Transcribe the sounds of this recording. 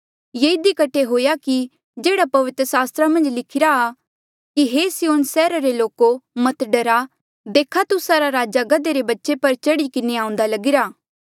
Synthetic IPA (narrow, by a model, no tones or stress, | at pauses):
jeːɪd̪ikɐʈʰeɦoːjaki | d͡ʒeːɽapɐʋɪt̪ɾəsaːst̪ɾamɐ̃nd͡ʒlɪkʰɪɾaː | kiɦesɪjoːnsɛːɾaɾeloːkomɐt̪ɖɐɾa | d̪eːkʰat̪ʊsaɾaɾaːd͡ʒaɡɐd̪eɾebɐtːʃepɐɾt͡ʃɐɽikɪneãːʊ̃nd̪alɐɡɪɾaː